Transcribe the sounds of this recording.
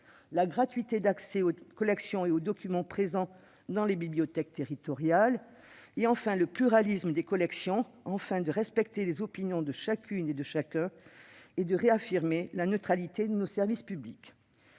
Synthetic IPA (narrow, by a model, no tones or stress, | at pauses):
laɡʁat̪ɥit̪ed̪aksɛokɔlɛksjɔ̃eod̪ɔkʲymɑ̃pχezɑ̃ | d̪ɑ̃lebibliɔt̪ɛk̚t̪eʁit̪ɔʁjal | eɑ̃fɛ̃ləplyʁalisməd̪ekɔlɛksjɔ̃ | ɑ̃fɛ̃d̪əʁɛspɛkt̪elezɔpinjɔ̃d̪əʃakʲʰyned̪əʃakɛ̃ed̪əʁeafiʁmelanət̪χalit̪ed̪ənosɛʁvispyblik